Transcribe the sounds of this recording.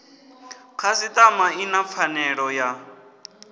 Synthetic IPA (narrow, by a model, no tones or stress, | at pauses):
kʰasit̪ʼamainap̪fʰanɛɺɔja